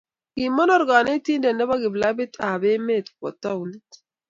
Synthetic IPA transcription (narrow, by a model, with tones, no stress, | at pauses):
ki˨mːɔ˦nɔ˦˨ɾɡa˨ne˦t̪i˦nde˨nːɛ˦βa˦ɡi˨bla˦bi˦t̪a˨be˦me˦˨t̪kɔ̰˨t̪ːa˦u˦nt̪